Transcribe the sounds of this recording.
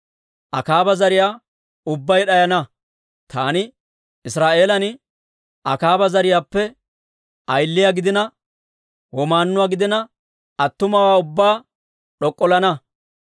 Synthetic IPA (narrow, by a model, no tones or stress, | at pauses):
ʔɐ̰kaːbɐzɐɾɪjaː | ʊbːɐjɗɐjɐnɐ | t̪aːnɪ | ɪsɾaːʔe̞ːlɐnɪ | ɐkaːbɐzɐɾɪjaːpːɛ | ʔɐjlːɪjaɡɪd̪ɪnɐ | wɔmaːnːʊwaːɡɪd̪ɪnɐ | ɐt̪ːʊmɐwaːʊbːaː | ɗɔkʼːɔlɐnɐ